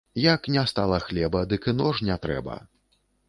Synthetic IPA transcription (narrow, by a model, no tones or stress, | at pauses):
jaknʲɛst̪alˠɐxlʲɛbɐd̪ɨkɨnɔʐnʲɛt̪ɾɛ̰bɐ̰